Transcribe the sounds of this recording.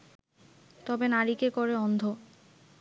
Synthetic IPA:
t̪ɔbenaɾikekoɾeɔnd̪ʱo

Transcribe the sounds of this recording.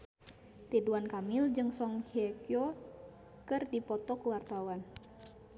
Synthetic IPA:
t̪iduankamild͡ʒɨŋsɔŋhiɛkiɔ | kɨrdipɔt̪ɔkəwart̪awan

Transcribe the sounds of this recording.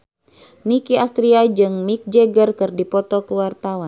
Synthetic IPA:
nikiast̪ɾiad͡ʒɨŋmik̚d͡ʒɛɡərkɨrdipɔt̪ɔkuwart̪awan

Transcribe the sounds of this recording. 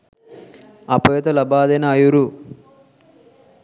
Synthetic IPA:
ɐpɐʋet̪ɐlɐbaːd̪ɐnaːjuɾu

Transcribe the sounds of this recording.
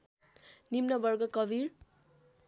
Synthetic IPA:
nimnʌbʌrɡʌkʌbʱiɾ

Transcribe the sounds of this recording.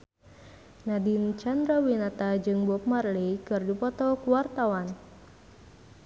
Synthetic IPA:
nadint͡ʃand̪ɾawinat̪ad͡ʒɨŋbɔp̚marlikɨrdipɔt̪ɔkuwart̪awan

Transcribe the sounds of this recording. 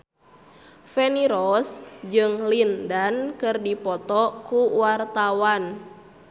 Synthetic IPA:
fɛniɾɔsd͡ʒɨŋlindankɨrdipɔt̪ɔkuwart̪awan

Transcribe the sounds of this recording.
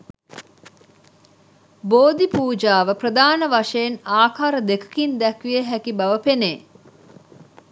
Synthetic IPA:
boːd̪ipuːd͡ʒaːʋəprəd̪aːnəʋɐʂeːnaːkʰaːɾəd̪ekə̥kind̪ɛkʋieɦækibɐʋəpeneː

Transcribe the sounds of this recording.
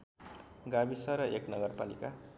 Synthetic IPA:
ɡabisʌɾʌʔeknʌɡʌrpalḭka

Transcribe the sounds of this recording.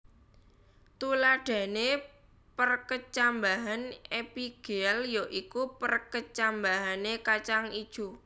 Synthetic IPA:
t̪ulaɖ̥ä̤ne | pərkət͡ʃambaɦanepiɡ̥eɛljoʔikupərkət͡ʃambaɦanekat͡ʃaŋid̥ʒ̥u

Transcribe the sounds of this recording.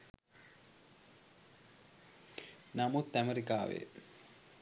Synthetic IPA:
namut̪ːæmeɾikaːʋḛ

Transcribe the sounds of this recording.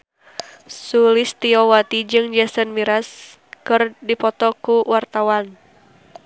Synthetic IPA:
sulist̪iɔwat̪id͡ʒɨŋd͡ʒasənmiɾas | kɨrdipɔt̪ɔkuwart̪awan

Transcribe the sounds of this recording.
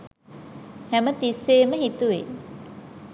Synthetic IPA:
hæmət̪isːeːməɦit̪uʋḛ

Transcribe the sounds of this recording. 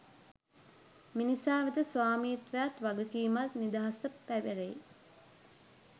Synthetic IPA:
minisaːʋid̪əsʋaːmiːt̪ʋejat̪ʋaɡukiːmat̪nid̪aɦasəpːæʋeɾe

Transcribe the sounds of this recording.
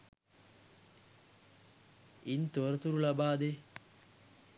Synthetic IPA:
int̪uɾət̪uɾulabaːd̪e

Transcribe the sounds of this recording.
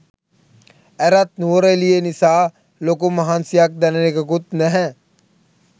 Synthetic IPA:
ɛɾat̪̚nuɾelijenisaː | lokumɐɦaːnsijak̚d̪ɛnenekəɡut̪nɛɦɛ̃

